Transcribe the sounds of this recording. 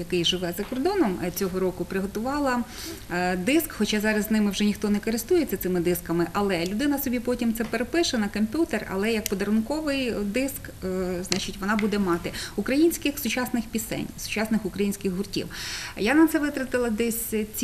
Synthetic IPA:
jɐkɪjʒɪʋɛzɐkɔrd̪ɔnɔmt͡sʲɔɦɔɾɔkʊpɾɪɦɔt̪ʊʋɑlˠɐ | d̪ɪskxɔt͡ʃɑzɑɾɐzʲnɪmɪwʒɛnʲixt̪ɔnɛkɔɾɪst̪ujet͡sʲːɐt̪sɪmɪd̪ɪskɐmɪʔɐlˠɛlʲʊd̪ɪnɐsɔbʲipɔtʲimt̪sɛpeɾepɪʃɐnɐkɔmʲpʲut̪erɐ̰lˠɛjɐk̚pɔd̪ɐɾʊnkɔʋɪjd̪ɪsk | znɑt͡ʃɪtʲʋɔnɑbud̪ɛmɑt̪ɪʊkɾɐjinʲsʲkɪxsʊt͡ʃɑsnɪxpʲisɛ̰nʲsʊ̥t͡ʃɑsnɪxʊkɾɐjinʲsʲkɪxɦʊrtʲḭwjanɐt̪sɛʋɪt̪ɾɐt̪ɪlˠɐd̪ɛsʲt͡sʲ

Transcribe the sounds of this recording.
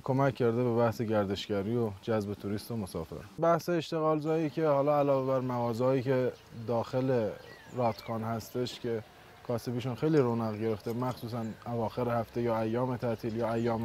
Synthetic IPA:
kʰo̞mæcʰːæɾd̪ebe̞bæhseɟæɾd̪e̞ʃɡæɾiːod͡ʒæzbe̞t̪ʰuɾiːst̪omosɒ̰ːfḛɾbæhseːʃt̪e̞ɣɒːlzɒːiːcʰe̞hɒːlɒːælɒːvebæɾmæɣɒːzɑːjiːcʰe̞ | d̪ɒːxe̞le̞ɾɒːt̪kʰɒːnhæst̪e̞ʃcʰe̞ | kʰɒːse̞biʃunxe̞jliːɾonæɣɟe̞ɾe̞ft̪emæxsuːs̬ænævɒːxe̞ɾehæft̪e̞jɒːæjːɒːme̞t̪ʰæʔt̪ʰiːljɒːæjːɒːm

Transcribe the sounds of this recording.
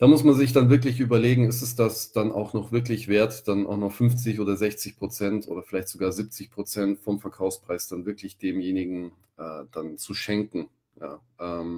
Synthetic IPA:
d̥aːmʊsmanzɪçd̥anvɪɐk̬lɪçʔyːbɐleːɡŋ̩ɪstɛsd̥asd̥anʔa̰ʊxnɔχv̥ɪɐklɪçv̥eːɐtd̥anʔa̰ʊxnɔχfʏnft͡sɪçʔoːdɐzɛçt͡sɪçpʁ̥ot͡sɛntʔo̰ːdɐfɪlaɪçtz̥oɡaːɐziːp̚t͡sɪçpʁ̥ot͡sɛntfɔmfɛɐkʰaʊfspʁ̥aɪsd̥anvɪɐkʰlɪçd̥eːmjeːnɪɡŋ̩ | ʔɛ̰ːd̥ant͡suʃɛŋkŋ̩ | ja̰ː | ʔɛːm

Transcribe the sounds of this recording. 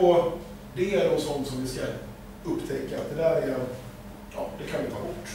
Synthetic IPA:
ɔ | d̪ɛæɾɖɔsɔnt̪sɔmvɪska | ɵpːt̪ʰɛkːaːt̪̚d̪ɛd̪æːɾæ | jɑ̰ːd̪ɛkʰanvɪt̪ʰɑːjʊʈː

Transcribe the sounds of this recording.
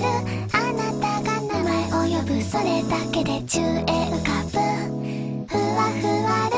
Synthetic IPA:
ɾɯ | anat̪aɡanamaiʔojobɯ̟so̞ɾe̞d̪ake̞d̪e̞t͡ɕɨːeʔɯ̟kabɯ | hɯβahɯβaɾ

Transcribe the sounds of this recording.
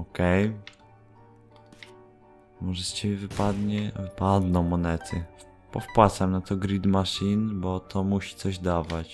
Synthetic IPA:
ɔkɛj | mɔʐɛst͡ɕebʲjɛvɘpad̪ɲɛvɘpad̪nɔ̃w̃mɔnɛt̪ʰɘ | pɔfpwat̪samnat̪ɔɡɾid̪maʂinbɔt̪ʰɔmuɕi̥t̪sɔʑd̪avat͡ɕ

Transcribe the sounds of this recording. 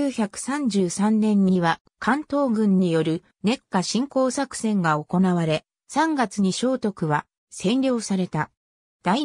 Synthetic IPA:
ɨːçakɯ̟̥sãɲd͡ʑɨːsãnːẽ̞ɲ̟ːiβa | kʰãnt̪o̞ːɡɯ̟̃ɲ̟ːijo̞ɾɯ̟ | ne̞kːaɕĩŋko̞ːsakɯ̟̥sẽ̞ŋɡao̞ko̞naβaɾe̞ | sãŋɡat͡sɨɲ̟iɕo̞ːt̪o̞kɯ̟βa | sẽ̞nɾʲo̞ːsaɾe̞t̪a | d̪̥ai

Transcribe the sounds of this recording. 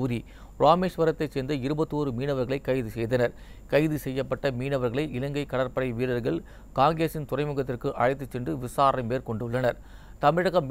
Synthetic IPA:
ɾi | ɾaːmeːʂʋɐɾɐt̪ːɐɪseːnd̪ɐɪɾɯbɐt̪ːɯoːɾɯmiːnɐʋɐɾɣɐɭɐɪkːɐɪðɯsɛjðɐnɐɾ | kɐɪðɯsɛjːɐpːɐʈːɐmiːnɐʋɐɾɣɐɭɐɪʔɪlɐŋɡɐɪkːɐɽɐɾpɐɽɐɪʋiːlɐɾɣɐɭ | kaːŋɡɾeːsɪnt̪ʊrɐɪmɯɣɐt̪ːɪrkɯʔɐɻɐɪt̪ːɯt͡ʃːɛndrɯʋɪsaːɾɐɪmeːɾkɔɳɖɯɭːɐnɐɾ | t̪ɐmɪɽɐɣɐm

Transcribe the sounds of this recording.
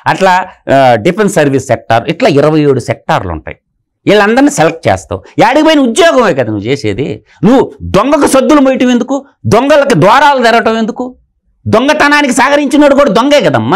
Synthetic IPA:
ɐʈlaːɖipʰensɐɾʋisːɛk̚ʈa̰ːɾuiʈlaːiɾɐʋɐjeːɽusɛk̚ʈa̰ːɾlṵɳʈa̰ːji | iɭːɐnd̪ɐɾnisɛlɐk̚ʈ̚t͡ʃɛ̰ːst̪a̰uaːɽiɡipoːjinɐud̪jɔːɡɐmeːkɐd̪ɐnuʋut͡ʃeːseːd̪ḭ | nuʋːud̪ɔŋɡɐkusɐd̪ːulumojʈɐme̞nd̪uku | d̪ɔŋɡɐlɐkid̪ʋaːɾaːlud̪ɛɾɐʋɐʈɐme̞nd̪uku | d̪ɔŋɡɐt̪ɐnaːnikisaːkɐɾiɲt͡ʃinoːɽukɔːɽɐd̪ɔŋɡeːɡɐd̪ɐmːaː

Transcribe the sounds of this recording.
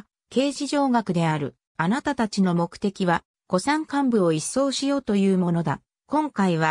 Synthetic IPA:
ke̞ːʑiʑo̞ːɡakɯ̟d̪e̞aɾɯ̟ | anat̪at̪at͡ɕino̞mo̞kɯ̟̥t̪e̞kʲiβa | ko̞sãŋkãmbɯ̟o̞isːo̞ːɕijo̞ːt̪o̞jɯ̟ːmo̞no̞d̪a | kõ̞ŋkaiβ̞a

